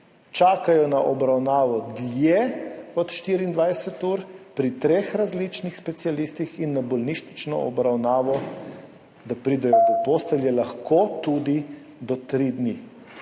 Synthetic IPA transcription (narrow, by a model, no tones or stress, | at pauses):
t͡ʃaːkajɔnaʔɔbɾawnaːʋɔd̪ljeɔt̪ʃt̪iːɾiːnd̪ʋajsɛt̪uːɾpɾit̪ɾeːxɾazlit͡ʃnixspɛt̪sialist̪ixinːabɔlniːʃnit͡ʃnɔ̰ɔ̰bɾawnaːʋɔ | d̪apɾiːd̪ɛjɔpɔpost̪ɛljɛlaxkot̪ud̪i | d̪ɔt̪ɾid̪ni